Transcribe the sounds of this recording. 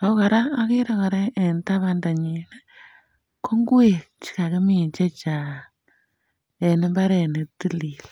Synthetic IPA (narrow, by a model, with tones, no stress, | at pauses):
o˦ka˨ɾaː˦ki˦ɾa˦ko˨ɾeː˦˨nta˦βa˦nda˨ɲine˦ | kʰo˦ŋɡwe˦˨t͡ʃi̥˨ka˨ke˦mi˦˨ɲt͡ʃe˦t͡ʃa˨ | e˨ne˦mba˦ɾe˨ne˨ti˦li˨l